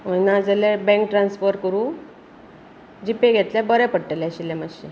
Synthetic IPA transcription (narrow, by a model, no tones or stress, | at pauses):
ənad͡zəlebɛ̃ŋk̚ʈɾãnsfɔɾʈ̚kəɾũ | d͡ʑipeɡʱet̪labəɾɛpəɽʈeleɕilemaɕe